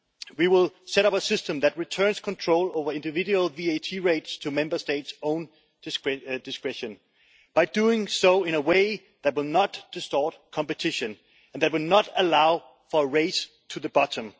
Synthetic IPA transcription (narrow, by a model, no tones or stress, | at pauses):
wiwɪlˠsɛɾʌpəsɪstə̃mðæt̚ɹitʰɜ̃˞nskʰɔ̃ntʰɹ̥oʊloʊvə˞ɪ̃ndɨvɪduəlˠvieɪtʰiɹeɪtstʰəmɛ̃mbə˞steɪtsõʊ̃n | d̥ɨskɹɛʃɨ̃n | b̥aɪduɪ̃ŋsoʊɪ̃ñəweɪ | ðæt̚wɪlˠnɑtd̥ɨstɔːˑt̚kʰɑ̃mpɨtʰɪʃɨ̃n | ɨ̃nðæt̚wɪlˠnəɾəlaʊ | fə˞ɹeɪs | tʰuðəbɑɾə̃m